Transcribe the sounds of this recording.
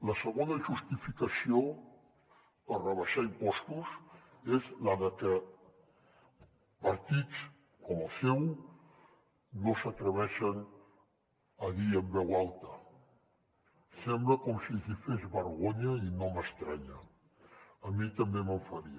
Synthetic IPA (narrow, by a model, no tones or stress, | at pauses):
ləsəɣonəʒust̪ifikəsio | ərəβəʃaimpɔst̪us | ezləðəkə | pəɾt̪it͡s | kɔməsɛw | osət̪ɾəβɛʃən | əðiəmbɛwalˠt̪ə | sɛmbləkɔmsizifezβəɾɣoɲəinoməst̪ɾaɲəː | mit̪əmbeməɱfəɾiə